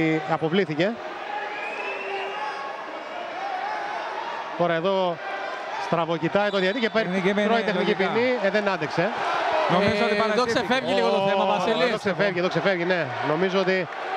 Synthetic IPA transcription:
ɐpo̞vliθice̞ | t̪o̞ɾɐe̞ðo̞ | st̪ɾɐvocit̪ɐjt̪oðiɐt̪icepeɾiɾoit̪exnikipinnieðenɐnd̪ekse̞noizzot̪ɐoksefevʝiliɣooɐsiloksefevʝiðoksefevʝineno̞mizoot̪i

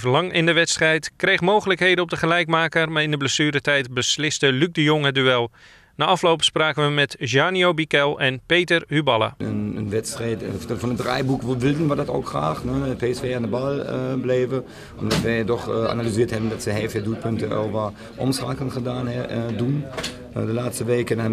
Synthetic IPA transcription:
vəlɑŋɪndəʋɛtstrɛjtkrejχmoːɣələkɦejdənɔb̚dəχəlɛjkmaːkərmaːɪndəbləsyːɾətɛjtbəslɪstəlyk̚dəjoŋədyɛlˠ | naːʔɑflowpspraːkəʋəmɛtʒaːnjowbikɛlˠɛnpeːtərhybɑlˠə̰ənənʋɛtstrɛːtfɔnədrɛ̰jbukʋəʋɪlˠdənʋədɔto̰ːkχra̰ːxnəəpʰeːɛsfeːandəbɑlˠəbleːvə | ʔɔmdɔtʋɛjdɔχa̰nalyziːəthɛbəndɔtsəhɛːfɪdut̚pʰɵntəɛ̰lˠʋa | ʔɔ̰msakənχədaːnɛdun | dəlaːtstəʋeːkəna

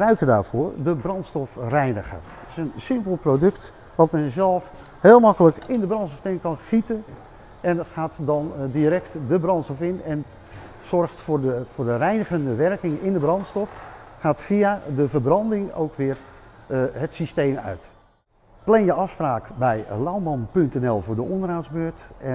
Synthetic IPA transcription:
əbrœɥkəda̰ːrɹv̥ʊːrdəbrɑntstɔfrɛjnəχə̰ | ətɪ̥sənsɪmpəlˠprodɵkt | ʋɑtmɛnzɛlˠf | heːlˠmɑkələkɪndəbrɑntsɔftɪnkɑnχitən | ɛnχaːtdɑndiɾɛktdəbrɑntstɔfɪnɛn | sɔrxtfʊfʊːdərɛjnəɣəndəʋɛrkɪŋɪndəbrɑntstɔfχaːtfiadəvəbrɑndɪŋo̰wkʋɪər | ɦətsistejmœ̰ɥt | plɛnjəɑfspraːkbɛjlawmɑnpɵntɛnɛlˠvʊːɹdəɔndəraːtzbøːɹtɛ

